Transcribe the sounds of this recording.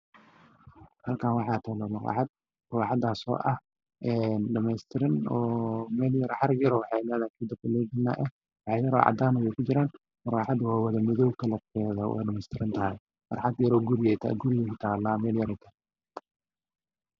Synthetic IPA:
hɐlkʰanwɑħɑːt̪ʰɐlɐlɐqa̰ːħɑd̪̚ | kːħɑd̪aːsɔ̰ːʔɐh | ʔɛːnɖɐmɛjst̪ʰɪɾɐnɔːmɛːljɐɾħɐɾjɐɾɔwħɑnɛːðaːkʰiːd̪ɐbkʊlɛːɡɪna̰ːʔɛ | wɑħɑjɐɾɔ̰ʕɑ̰d̪aːnɐjɛjkʰʊd͡ʒɪɾaːn | mɐɾaːħɑd̪waːwɐðɐmɪðɔwkʰɐlɐt̪kʰɛːðɐwɛ̰ːɖɐmɛjst̪ʰɪɾɐnt̪ʰɐɦɛj | mɐ̰rħɑd̪jɐɾɔɡʊɾɪjɛt̪ʰa̰ɡʊɾɪjɛkɪt̪ʰaːlaːmɛːljɐɾɛk̪ʰɐ

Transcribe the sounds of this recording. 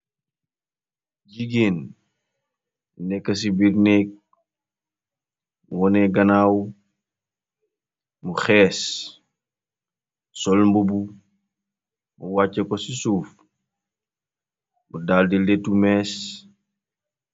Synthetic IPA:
ɟiɡeːn | munɛkːɐs̬ibiɾnɛk̚ | muwɔnɛɡɐnaːw | muxɛːs | sɔlmbubu | muwacːɐkɔsisuːf | mudaːldiletːumɛːs

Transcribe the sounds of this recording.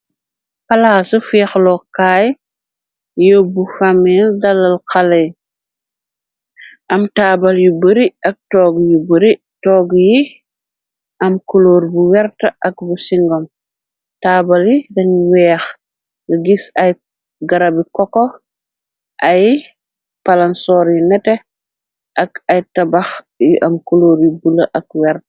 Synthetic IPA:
kɐlaːsufɛːxlɔkaːj | jobufamildɐlːɐlkɐlɛj | ʔɐmtaːbɐljubəɾiɐk̚tɔːɡjubəɾi | tɔɡji | ʔɐmkuloːɾbuwɛɾtɐʔɐk̚busiŋɡɔm | taːbaljidɐnwɛːx | ləɡisaj | ɡaɾabikɔkɔ | ʔaj | palansɔːɾjinɛtɛ | ʔakajtabax | jʔamkuloːɾjubulɐʔak̚wɛɾt

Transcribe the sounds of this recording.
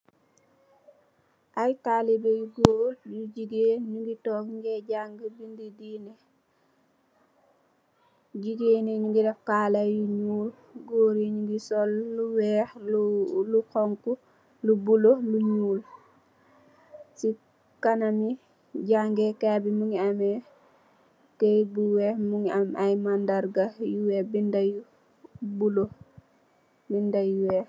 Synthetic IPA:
ʔajtalibeɡoːɾjuɟiɡeɲuŋɡitɔːkɲɡɛɟaŋɡəbindidinɛ | ɟiɡeːnɛɲuŋɡiɾɛfkaːlajuɲuːl | ɡoːɾiɲuŋɡisɔlːuwɛːx | lukɔŋku | lubuloluɲuːl | si | kanami | ɟaŋɡɛkabimuŋiamɛ | kɛjbuwɛːmuŋiamʔajmandaɾɡajuwɛbindaju | bulo | bindajuwɛːx

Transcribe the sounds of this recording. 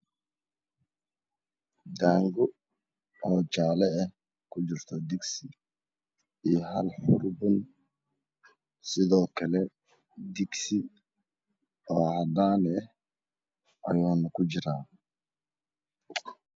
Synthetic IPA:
d̪aːŋɡʊ | ɔːt͡ʃaːlɛɛh | kʰʊt͡ʃɪrt̪ʰɔd̪ɪɡsɪ | iːjɦɐlħʊrbʊn | sɪðɔːkʰɐlɛ | d̪ɪɡsɪ | ɔːhɐd̪aːnɛ | ʔɐ̰juːnɐkʰʊt͡ʃɪɾaː

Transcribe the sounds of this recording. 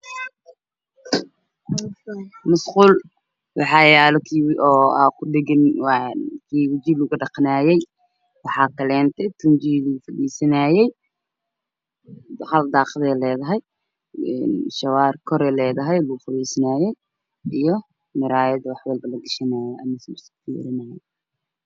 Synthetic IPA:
mʊsquːl | wɑħɑjaːlɔkʰiwʔɔːa̰kʰʊɖɪɣɪn | kʰiːwɪd͡ʒiːlʊɣʊɖɑqnaːjɛj | wɑħɑːkʰɐlɛːnt̪ʰɛt̪ʰʊnt͡ʃiluʊfɐdiːsɐnaːjɛj | hɐld̪ɑːqðɛːlɛːðɐɦɛj | ɛ̰nʃɐwaːrkʰɔɾɛːlɛːðɐɦɛjlʊʊfɐβɛːsɐnaːjɛj | ʔijɔ | mɪɾaːjɐðɐwɑħwɛlbɐlɐɡɪʃɐnaːjɔʔɐ̰mɐsst̪ʰiɛ̰ɾɪnaːjɛ

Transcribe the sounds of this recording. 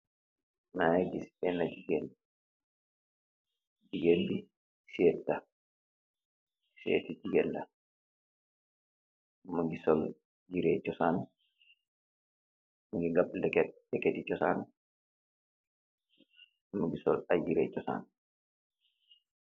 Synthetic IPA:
najaɡisɛnad͡ʒiɡɛldi | d͡ʒiɡenldi | sɛttːa | sɛ̰tid͡ʒiɡɛnda | maŋɡisɔl | d͡ʒiɾɛt͡ʃɔsan | maŋɡiŋɡaɓdɛkɛdɛkɛtit͡ʃɔsa̰n | maŋɡisɔlad͡ʒiɾɛ̰t͡ʃɔsa̰n

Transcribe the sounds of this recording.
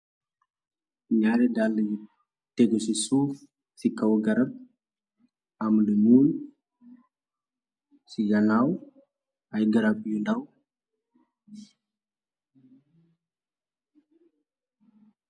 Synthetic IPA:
ɲaɾɛdalːj | teɡɔsisuf | sikawɡɐɾɐb̚ | amlumun | sijanaw | ajɡəɾap̚jundaw

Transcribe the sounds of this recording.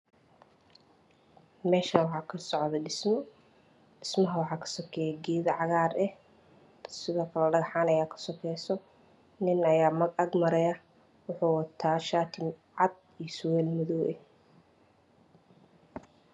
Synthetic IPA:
mɛːʃawɑħɑːkʰɐsɔʕðɐɖɪsmɔ | ɪsmɐɦɐwɑħɑːkʰɐ̥sɔkʰɛjɛɡiːðɐʕɑɣaːrɛh | t̪sɪðɔːkʰɐlɐɖɐɣɐħaːnɐjaːkʰɐ̥sɔkʰɛjsɔ | nɪnɐjaːmɐɡɐɡmɐɾɛjɐ | wʊħuːwɐt̪ʰaːʃaːt̪ʰɪmʕɑd̪̚ | ijsʊwɛːlmɔðɔːʔɛ̰

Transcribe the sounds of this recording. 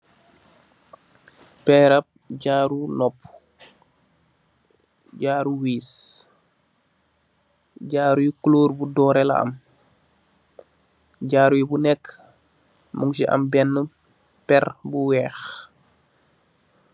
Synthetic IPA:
pɛɾɐp̚ɟaːɾunɔpː | ɟaːɾuwiːs | ɟaːɾujikloːɾbudɔːɾɛlɐ̰ɐ̰m | ɟaːɾujibunɛkː | muŋsiʔɐ̰mbɛnːə | pɛrbuwɛːx

